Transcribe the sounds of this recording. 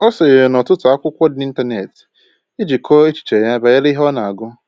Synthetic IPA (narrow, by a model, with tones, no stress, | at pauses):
ɔ˦sɔ˨je˨ɾe˨nɔ˨tʊ˦tʊ˨a˦kʷʊ˦kʷɔ˦di˦n̩˦ta˦ne˨t | i˦d͡ʒi˨kʰɔ˦e˦t͡ʃi̥˨t͡ʃe˨ja˦ba˨ja˦li˦ɦɔ˦na˨a˨ɡʊ˦